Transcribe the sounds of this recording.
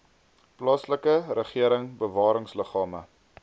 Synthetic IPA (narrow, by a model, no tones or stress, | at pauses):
plɑːsləkərəχiəɾəŋbəvɑːɾəŋsləχɑːmə̰